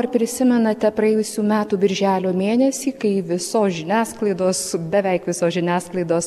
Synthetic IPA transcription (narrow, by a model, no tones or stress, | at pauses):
ɐrpʲɾʲɪsʲɪmʲɛnɐt̪ʲɛpɾɐjeːjʊsʲuːmʲæːt̪uːbʲɪɾʲʒʲæːlʲoːmʲeːnʲɛsʲiːkɐɪʋʲɪsoːsʒʲɪnʲæːsklˠɐɪd̪oːsbʲɛʋʲɛɪkʋʲɪsoːsʒʲɪnʲæːsklˠɐɪd̪oːs